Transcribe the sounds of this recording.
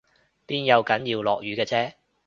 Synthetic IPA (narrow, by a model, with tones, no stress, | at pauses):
piː˥njɐ˨˧wkɐ˨˥njiː˧wlɔ̰ː˨k̚jyː˨˧kɛː˧t͡sʰɛː˥